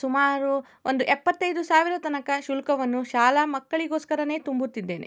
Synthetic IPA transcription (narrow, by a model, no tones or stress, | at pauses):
sumaːɾu | ond̪uʔɛpːɐt̪ːɐjd̪usaːʋiɾɐt̪ɐnɐkɐʃulkɐʋɐnːuʃaːlɐmɐkːɐɭiɡoːskɐɾɐne̞ːt̪umbut̪ːid̪ːe̞ːnḛ